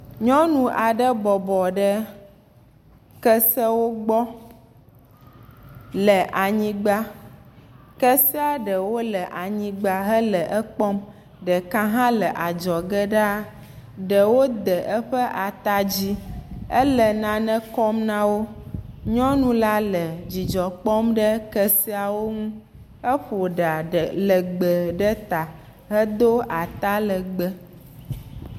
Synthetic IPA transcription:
ɲɔ̃˦nũ˨ʔa˨ɖə˦bɔ˨bɔ˨ɖə˦ | kə˦sə˦wo˦ɡ͡bɔ˦ | lə˨ʔa˨ɲĩ˦ɡ͡ba˦ | kə˦si˦a˦ɖə˨wo˦lə˨ʔa˨ɲĩ˨ɡ͡ba˦ɦə˦lə˨ʔə˦k͡pɔ˦m | ɖə˨kã˦ɦã˦lə˨ʔa˨d͡ʒɔ˨ɡə˦ɖa˦a˦ | ɖə˨wo˦d̪ə˨ʔə˦ɸə˦ʔa˨t̪a˦d͡ʑi˦ə˦lə˨nã˨nə̃˦kɔ˦mnã˦wo˦ɲɔ̃˦nũ˦la˦lə˨d͡ʑi˨d͡ʒɔ˨k͡pɔ˦mɖə˦kə˦si˦a˨wo˦ŋũ˦ | ə˦ɸo˨ɖa˨ɖə˨lə˨ɡ͡bə˨ɖə˦t̪a˨ | ɦə˦d̪o˦a˨t̪a˦lə˨ɡ͡bə˦

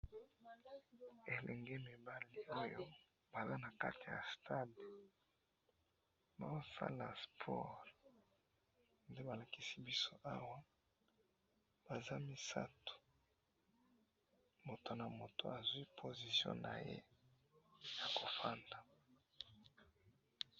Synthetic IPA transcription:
e˨lɛ˨ŋɡɛ˦mi˨ba˦li˦o˦jo˦ | ba˨za˦na˨ka˦ti˨ja̰˨stʰa˦d | ba̰˨o˦sa̰˦la̰˨spʰɔ˦ʁ | nde˦ba˨la˨ki˦si˦bi˦so˦ʔa˦wa˦ | b̥a˨za˦mi˦sa̰˦to̥˨ | mo˨to˨na˨mo˨to̰˨a˨zwi˦pʰo˨zi˨sjɔ̰̃˦na̰˨jḛ˦ | ja˨ko˨fa˦nda˨

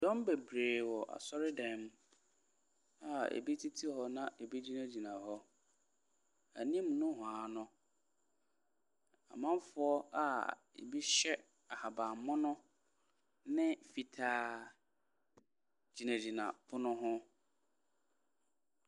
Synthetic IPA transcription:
dɔ̃˦m˦be˨bɾeː˨wɔ˨ʔa̰˨sɔ˦ɾɪ˦dɛ̃˨m | a˨ḛ˨bi˦tʰi˦tʰi˦hɔ˦nã˦ʔe˨bi˦d͡ʑi˦nã˦d͡ʑi˨nã˨hɔ˦ | a˨nĩ˦ɛ˦mũ˨nʊ̃˦ɦʊ̃˨a˨˦nʊ̃˦ | a̰˨mã˦m˦fʊ˨˦ɔ˦a̰˦ | ḛ˨bi˦ɕɛ˦ | a˨ha˨ba˨mʊ̃˦nʊ̃˦ | nɪ̃˦fi˨tʰaː˦ | d͡ʑi˨næ̃˨d͡ʑi˨nã̰˨bʰʊ˦nʊ̃˦ɦʊ̃˦

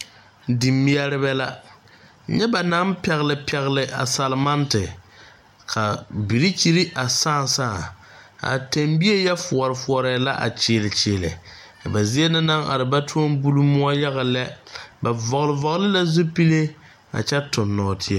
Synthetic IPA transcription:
di˨mːi˦ɛ˦ɾɪ˦bɛ˦la˦ | ɲɛ˦ba˨na˦m˦pɛ˨ɣlɪ˨pʰɛ˨ɣlɪ˨ʔa̰˨sa˨lma˦ntɪ˨ | kʰa˨bi˨ɾi˦t͡ʃi˦ɾi˦ʔa˨saː˦˨saː˦˨ | a̰˨te˨mbi˦e˦jɛ˦fʊ˨ɔ˨ɾɪ˨fʊ˨ɔ˨ɾɛ˨la˦ʔa̰˨t͡ʃɪː˨lɪ˨t͡ʃɪː˨lɪ̰˨ | ba˨zi˦e˦nɪ˦na˦ŋa̰˨ɾɪ˨ba˦tʰu˦o˦mbu˦lu˦mʊ˦a˦ja˦ɣa˨lɛ˦ba˨vɔ˨ɣlɪ˨vɔ˨ɣlɪ˦la˦zu˦pi˦le˦ | a̰˨t͡ʃɛ˦tʊ˨nːɔː˨tʰɪ˦e˦˨

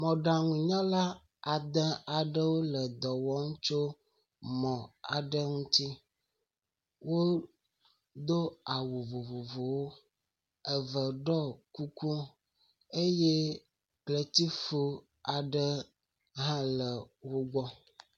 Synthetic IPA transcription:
mɔ̃˨ɖã˨ŋũ˨ɲɔ̃˦la˦ | a˨d̪ə̃˦a˨ɖə˦wo˦lə˨d̪ɔ˨wɔ˦ŋũ˦t͡ʃo˦ | mɔ̃˨a˨ɖə˦ŋũ˦t̪i˦ | wo˦ | d̪o˦a˨wo˨vo˨vo˨vo˨wo˦ | ə˨və˨ɖɔ˦ku˦ku˦ | e˦je˦ | klə˨t̪i˦fo˦ | a˨ɖə˦ | ɦã˦lə˨wo˦ɡ͡bɔ˦

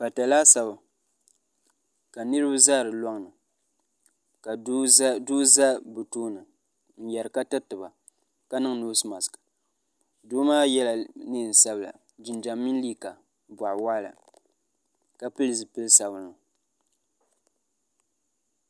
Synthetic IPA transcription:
ba˨ta˨la˦sa˦ba˨ | ka˨nɨ˦ɾɨ˦ba˦zaː˦˨ɾɨ˨lɔ˦ŋ˦nɨ˨ | ka˨duː˦za˦bu˨tuː˦nɨ˨ | n̩˨jɛ˨ɾɨ˨ka˦tɨ˦tɨ˨ba˨ | ka˦nɨ˦ŋ˦nu˦sɨ˦ma˨skḁ˨ | duː˦maː˦jɛ˦la˨ne˦˨n̩˨sa˦bɨ˦la̰˨ | d͡ʒɪ˨nd͡ʒa˨mːi˦n˦li˦ka˨ | ba˨ʔwa˦la̰˨ | ka˦pɨ˦lɨ˨zɨ˨pɨ˦lsa˨bɨ˨nɨ˨

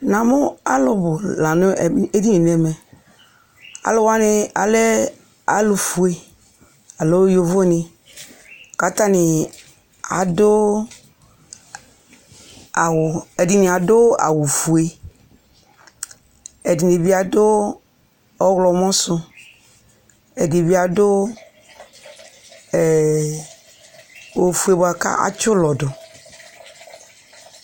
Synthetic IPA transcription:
na˨mʊ˦a˦lʊ˨bʊ˨la˨nʊ˦˨˦e˦di˦ni˨n˨ɛ˨mɛ˨ | a̰˨lʊ˦wa˦nɪ˨a˨lɛ˦ | a˨lʊ˨fu˨e˨ | a˨lo˦jo˨vo˦nɪ˨ | ka˨˦ta˦nɪ˨ | a̰˨dʊ˦ | a˨wʊ˨ɛ˨di˨ni˨a˨dʊ˦a̰˨wu˨fu˨e˦ | ɛ˨di˨ne˨bi˦a˨dʊ˦ | ɔ˦ɣlɔ˨mɔ̃˦sʊ˦ | ɛ˨di˨bi˦a˨dʊ˦˨ | o˨fu˨e˨bo˨a˨ka̰˦ʔa̰˦t͡ʃʊ˦lɔ˨dʊ˨

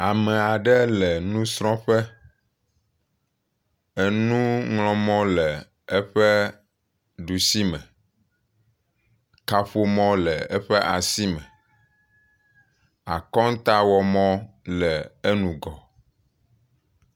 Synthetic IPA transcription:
a˨mɛ̃˨a˨ɖɛ˦lɛ˨nũ˦sɾ̃ɔ̃˦ɸɛ˦ | e˦nũ˦ŋlɔ̃˦mɔ̃˦lɛ˨ | ɛ˦ɸɛ˦ | ɖu˨si˦mɛ̃˨ | ka˨ɸo˦mɔ̃˦lɛ˨ɛ˦ɸɛ˦ʔa˨si˦mɛ̃˨ | a˨kɔ˦ŋ˦t̪a˦wɔ˨mɔ̃˦ | lɛ˨e˦nũ˨ɡɔ˨

